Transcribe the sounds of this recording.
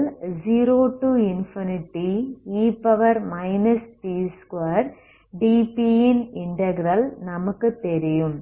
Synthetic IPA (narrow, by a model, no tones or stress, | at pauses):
ld͡ʒiːɾoːʈuːɪnfɪnɪʈːiiːpɐʋɐɾmɐɪnɐsʈiːskɐɾ | ɖiːpijɪnɪɳʈɐɡɾɐlnɐmɐkːɯt̪ɛɾɪjɯm